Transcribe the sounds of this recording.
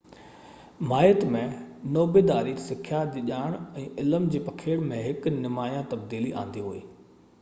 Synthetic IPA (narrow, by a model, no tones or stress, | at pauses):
maːjət̪mẽnoːbeːd̪aːɾisɪkʰjad̪ɪʄaːɪɽ̃ɛ̃ːʔɪləmd͡ʑiːpɐkʰeːɽmẽɦɪknɪmaːjãt̪ɐb̚d̪iːliʔã̰ːn̆d̪iɦuḛː